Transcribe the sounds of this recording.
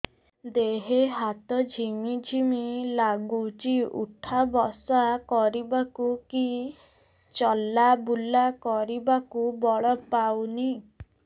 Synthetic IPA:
d̪eɦeɦat̪ɔd͡ʒʱimid͡ʒʱimilaɡut͡ʃiṵʈʰabɔsakɔɾibakuki | t͡ʃɔlabulakɔɾibakubɔɭɔpawni

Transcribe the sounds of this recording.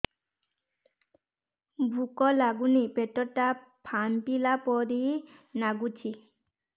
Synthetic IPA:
bʱukɔlaɡunipɛtɔtːapʰanpilapɔɾinaɡut͡ʃʰi

